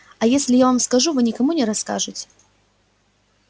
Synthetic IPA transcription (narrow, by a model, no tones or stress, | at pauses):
ɐjesʲlʲɪjavamskaʐuvɨnʲɪkamunʲɛɾaska̰ʐɨt͡sʲ